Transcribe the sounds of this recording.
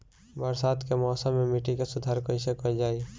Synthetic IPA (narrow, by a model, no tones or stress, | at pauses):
bəɾsaːt̪kemɔːsãmːẽmiʈikesʊd̪ʱaːɾkoɪsekod͡ʒaːi